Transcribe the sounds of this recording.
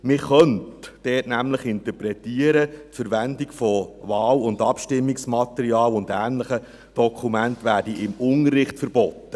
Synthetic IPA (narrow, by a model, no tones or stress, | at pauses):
mɪχœntd̥ɛːtnæmləχɪntəpɾɛtiəɾətfəɾʋændikfɔvɑːlʊndɑpʃtɪmːiksmɑt̪əɾiɑːlʊndæːnləχə | d̥ɔkʰumæntʋæːɾdiʔɪmʊnərːɪχtfəɾb̥ɔtːə